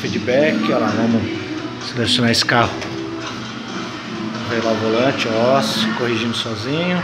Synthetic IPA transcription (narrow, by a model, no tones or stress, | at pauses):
fid͡ʒibɛkɪalavɐ̃mɐ | selesjonaiskahʊ | vejlaʊvolɐ̃t͡ʃɪɔskohiʒĩnd̪ʊsɔzĩɲʊ